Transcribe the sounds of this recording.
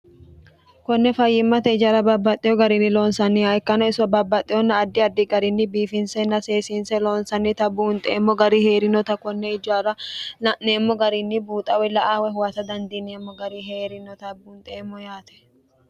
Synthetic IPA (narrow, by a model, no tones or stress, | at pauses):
kɔnːɛfɐjːɪmːɐt̪ɛɪd͡ʒɐɾɐbɐbːɐt̪ʼːɪjɔɡɐɾɪnːɪloːnsɐnːɪhɐɪkːɐnɔɪsʊɐbɐbːɐt̪ʼːɪjɔnːɐːd̪ːɪɐd̪ːɪɡɐɾɪnːɪbiːfɪnsɛnːɐseːsɪnsɛloːnsɐnːɪt̪ɐbuːnt̪ʼeːmːɔɡɐɾiheːɾɪnɔt̪ɐkɔnːɛɪd͡ʒaːɾɐɐneːmːɔɡɐɾɪnːɪbuːt̪ʼɐwɛlɐʔaːwɛɦʊwɐt̪ɐd̪ɐnd̪ineːmːɔɡɐɾiɦeːɾɪnɔt̪ɐbuːnt̪ʼeːmːɔjaːt̪ɛ̥